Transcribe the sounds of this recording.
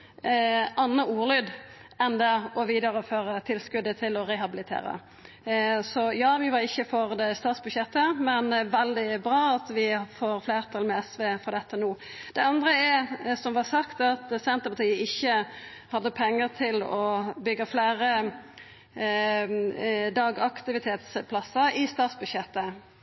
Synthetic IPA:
ɑnːəuːʁlyːd̪ | ɛnd̪ɛɔʋiːd̪ɑɾəføːɾət̪ʰɪlskʉd̪ːət̪ʰɪlɔʁɛɦɑbɪlɪt̪ʰḛːɾə̰ | sɔjɑːʋɪʋɑɾɪçːəfɔʁd̪ɛst̪ɑːt̪sbʉd̪ʃɛt̪ːəmɛnʋɛld̪ɪbʁɑːɑt̪ʋɪfoːɾfleːʁt̪ʰɑlmɛɛsʋeːfɔʁd̪ɛt̪ːənuː | d̪̥ɛɑnd̪ʁəɛsɔmʋɑsɑkt̪ɑt̪sɛnt̪əɾpɑt̪ʰiːəɪçːə | hɑd̪ːəpʰɛŋːəɾt̪ʰɪlɔbʏɡːəfleːɾə | d̪ɑːɡɑkt̪ɪʋɪt̪ʰeːt̪spʰlɑsəɾɪst̪ɑːt̪sbʉd̪ʃɛt̪ːə

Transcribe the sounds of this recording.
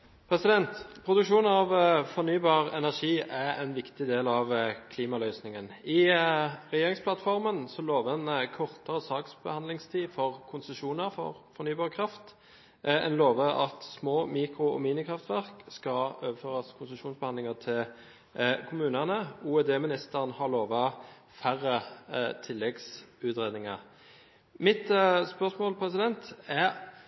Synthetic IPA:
pʰɾɛsɪd̪ɛnt̪pʰɾʊd̪ʉkʂuːnɑʋfɔʁnyːbɑːʁɛ̰næʁʂiːæɛnʋɪkt̪ɪd̪eːlɑʋkʰliːmɑlœʏsnɪŋənɪ | ʁɛjeːʁɪŋspʰlɑt̪fɔʁmənsɔloːʋəɛnkʰɔʁt̪əʁəsɑːksbəhɑnlɪŋst̪ʰiːfɔʁkʰʊnsəʃuːnəʁfɔ̰ʁfɔɾnyːbɑːʁkʰʁɑft̪ | ɛ̰nloːʋəɑ̰t̪smoːmiːkɾʊɔ̰miːnɪkʰʁɑft̪ʋæʁkskɑøːʋəføːʁɑskʰʊnsəʃuːnsbəhɑnd̪lɪŋɑt̪ʰɪl | kʰʊmʉːnənəuːɛd̪eːmɪnɪst̪əʁnhɑʁloːʋɑ | fæʁːət̪ʰɪlːɛɡsʉːt̪ʁeːd̪nɪŋɑ | mɪt̪spœʁsmoːlpʰɾɛsɪd̪ɛnt̪æʁ

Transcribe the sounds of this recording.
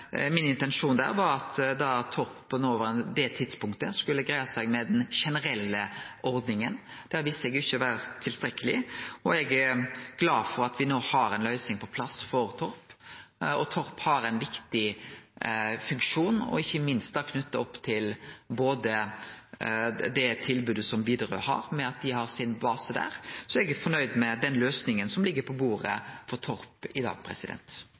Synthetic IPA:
mɪnɪnt̪ɛnʂuːnd̪æ̰ːɾʋɑɾɑt̪d̪ɑt̪ʰːɔɾpʰːɔnoʋəɾɛnd̪ɛt̪ʰɪd̪spʊŋkt̪əskʉlːəɡɾæɪɑsæɡmɛd̪ɛnʃɛnəɾɛlːəʔɔɾd̪nɪŋənd̪̥æːɾʋɪst̪ɛɡɪçːəʋæːɾət̪ʰɪlst̪ɾɛkːəlɪɔɛɡɡ̥lɑːfɔɾɑt̪ʋɪnoːhɑɾɛnlœʏsɪŋpʰɔpʰlɑsfɔɾt̪ʰɔɾp | ɔt̪ʰɔɾphɑɾɛnʋɪkt̪ɪ | fʉŋkʂuːnɔ̰ɪçːəmɪnst̪d̪ɑkʰnʉt̪ːɑɔpːt̪ʰɪlboːd̪ə | d̪ɛt̪ʰɪlbʉːd̪əsɔmʋiːd̪əɾø̰hɑ̰ɾmɛɑt̪̚d̪ɪhɑɾsɪnbɑːsəd̪æ̰ːɾsɔɛɡæfɔnœʏd̪mɛd̪ɛnløːsnɪŋənsɔmlɪɡːəpʰɔbuːɾə̰fɔɾt̪ʰɔɾpɪd̪ɑ̰ːɡ̚pʰɾɛ̰sɪd̪ɛ̰nt̪

